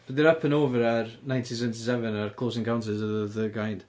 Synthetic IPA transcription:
b̥əðəɹʌpʰə̃noːvəɹəɹnãɪ̃ntʰĩnsɛ̃ntisɛvə̃nəɹkʰl̥ˠoːzɪ̃ŋɡãʊ̃nsɪzəəðəɡãɪ̃nd̥

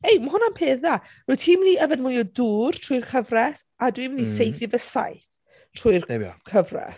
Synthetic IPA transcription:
ejməhʊnanpʰeːða | ruːtʰiːmniəvɛnmʊjɔduːrtʰrʊjrkʰəvrɛs | adwimnisejfɨðəsa̰jθ | tʰr̥ʊɨrkʰəvrɛ̰s

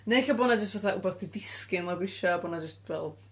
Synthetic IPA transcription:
neɬabɔnad͡ʒəstvaθaʔubɔðd̥idɪskɪnlabɪʃabonad͡ʒəstvɛlˠ

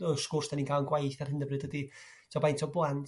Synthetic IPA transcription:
əskʊrsd̥aniːnkʰaːlˠnɡwajθarhɪndəbrɨd̥ədi | tʰɔbajntʰɔblˠant

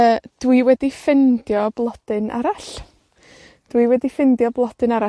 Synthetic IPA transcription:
əːd̥wiwɛdifɪndjɔblˠɔd̥ɨnʔa̰ɾaɬ | d̥wiwɛdifɪndjɔblˠɔd̥ɨnaɾa

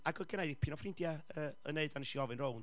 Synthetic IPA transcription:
aɡɔɡənajðipʰiːnɔfrɪndjaəːə̰neɨdanəʃiɔvɨnrown

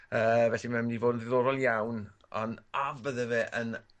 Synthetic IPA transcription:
əːvɛɬimamdivoːdəndɪðoːɾɔlˠjawn | ɔ̰navəðəvɛʔən

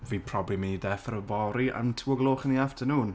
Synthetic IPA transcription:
viːpʰr̥ɔblimindɛfəɾəbɔɾiʔa̰ntʰuːɔɡlˠoːχəniaftʰənuːn

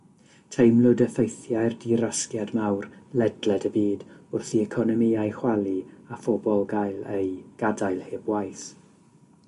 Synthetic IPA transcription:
tʰejmlˠʊdəfejθjajrdiɾaskjadmawrlɛdlɛdəbiːdʊrθiɛkʰɔnɔmiajχwalˠiafɔbɔlˠɡajlˠejɡ̥adajlˠhɪːbwajθ

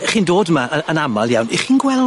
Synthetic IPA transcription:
χiːndoːdmaəənamalˠja̰wniχiːnɡwɛl

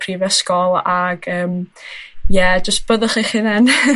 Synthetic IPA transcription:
pʰrivɛskɔlˠaɡəːm | jɛd͡ʒəst̚b̥əðɔχiχiðɛn

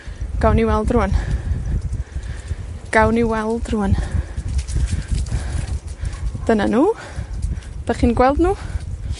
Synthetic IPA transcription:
ɡ̥awniwɛlˠdruən | ɡ̥awniwɛlˠd̥ruən | d̥ənanuː | d̥aχiːnɡwɛlˠdnuː

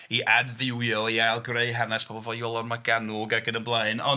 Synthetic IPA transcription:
iʔadvɪwjɔlˠialˠɡreɨɦanaspʰɔːbɔlˠvɔjɔlˠɔnmaɡanuɡaɡənənblˠaɨnɔ

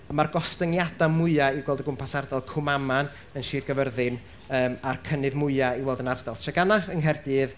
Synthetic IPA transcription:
marɡɔstəŋjadamʊɨaiɡwɛlˠdəɡʊmpʰasardalˠkʰʊmaman | ənʃiːrɡəvərðɨn | əːmarkʰənɨðmʊɨaiwɛlˠdənard̥alˠʃɛɡanaənɦɛrdɨð

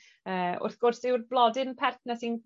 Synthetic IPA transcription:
əːʊ̰rθɡ̥ʊrθɪwrblˠɔdɨnpʰɛrtʰnasin

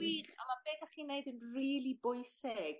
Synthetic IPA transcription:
iːχa̰mabeːdaχiːneɨdənriːlˠibʊɨsɪɡ̥

